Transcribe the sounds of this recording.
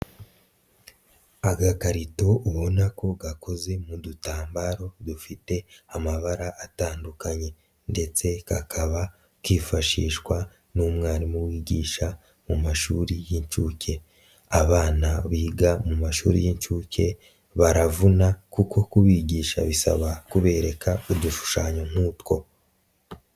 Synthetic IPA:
aɡakaɾito̞ʔuβonako̞ɡako̞ze̞mudutaːmbaɾo̞dufite̞amaβaɾaʔːtaːndukaɲe̞ | nde̞t͡se̞kakʰaβa | kiːfaʃiːʃkwa | numŋaːɾimuwiːɟiːʃa | mumaʃuːɾijiɲt͡ʃuːcʰe̞ | aβaːnaβiːɡamumaʃṵːɾḭjiɲt͡ʃuːce̞ | βaɾavunakukʰo̞kuβiːɟiːʃa̰βisa̰βakuβe̞ːɾe̞kʰauduʃu̥ʃaːɲo̞n̥uːtko̞

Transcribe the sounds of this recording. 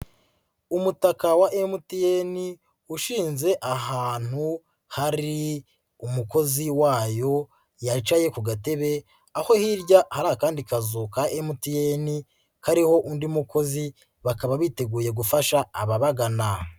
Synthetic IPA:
umutakawaʔemutijeni | uʃiːnze̞ʔaɦaːn̥hu | haɾi | umuko̞ziwaːjo̞ | jat͡ʃaje̞kuɡate̞βe̞ | aho̞hiɾɟahaɾaakaːndikazukaʔemutijeni | kaɾiho̞ʔundimuko̞zi | βakaβaβite̞ɡuːje̞ɡufaʃaːβaβaɡana

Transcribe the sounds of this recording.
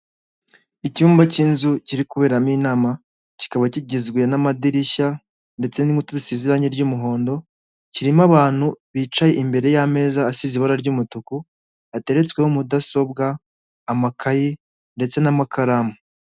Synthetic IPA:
icuːmbacinzuciɾikuβe̞ːɾamiːnaːma | ci̥kaβaciɟizɡwenamadiɾiʃa | nde̞t͡se̞niutazisiziɾaɲiɾɟumuɦo̞ːndo̞ | ciɾimaβaːn̥huβiːt͡ʃaje̞ʔimbe̞ɾe̞jame̞ːzaːsiziβaɾaɾɟumutuku | ate̞ɾe̞t͡skwe̞humudaso̞bɡaː | makʰaji | nde̞t͡se̞namakaɾamu

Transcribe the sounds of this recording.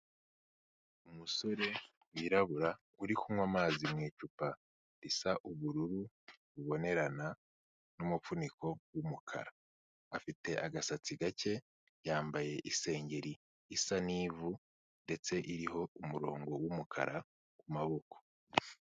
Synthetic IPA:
umuso̞ɾe̞ | wiɾaβuɾa | uɾikumwamaːzimŋiːt͡ʃupa | ɾisaʔuβuɾuɾu | βuβo̞ne̞ɾana | numufuniko̞wumukʰa̰ɾaː | fite̞ʔaɡasat͡siɡace̞ | jaːmbaje̞ʔise̞ːɲɟe̞ɾiː | saniːvu | nde̞t͡se̞ʔiɾiɦo̞umuɾo̞̰ːŋɡo̞wumukʰa̰ɾʔa | kumaβo̞kʰo̥

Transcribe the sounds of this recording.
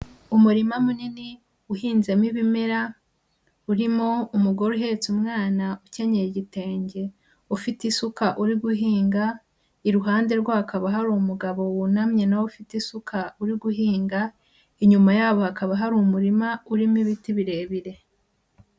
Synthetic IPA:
umuɾimamunini | uhiːnze̞miβimeɾa | uɾimoumuɡo̞ɾuɦe̞t͡sumŋaːnauce̞ɲejeɟite̞ːɲɟe̞ | ufitisukaʔuɾiɡuɦiːŋɡa | iɾuɦaːnde̞ɾɡwahːkaβaɦaɾumuɡaβo̞wunamɲe̞nawufitisukʰauɾiɡuɦiːŋɡa | iɲumajaːβo̞hakaβaɦaɾumuɾimauɾimiβitiβiɾe̞ːβiɾe̞

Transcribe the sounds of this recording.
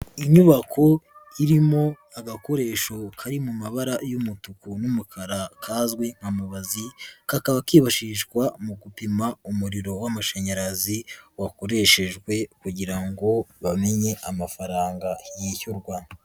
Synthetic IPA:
iɲuβakʰo̞iɾimo̞ | aɡako̞ɾe̞ʃokʰaɾimumaβaɾajumutukunumukʰaɾakʰaːzɡwe̞ŋ̥hamuβazikakaβakiːβaʃiːʃɡwamuɡupimaumuɾiɾo̞wamuʃeɲaɾaziwako̞ɾe̞ʃe̞ʒɡwe̞kuɟiɾaŋɡo̞βame̞ɲe̞ʔamafaɾaːŋɡajiçuɾɡwa

